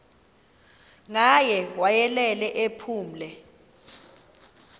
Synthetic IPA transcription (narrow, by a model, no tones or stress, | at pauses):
ŋajɛwajɛlɛlɛʔepʰuːm̩lɛ